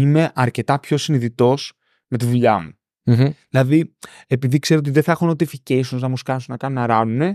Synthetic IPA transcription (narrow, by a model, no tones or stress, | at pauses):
ime̞ʔɐɾce̞t̪ɐpço̞siniðit̪o̞s | me̞t̪iðuʎɐmu | ðilɐði | e̞piðikseɾot̪iðeθɐexuno̞t̪ieficeisunznɐmuskɐnsunɐkɐnunɐɾɐnune̞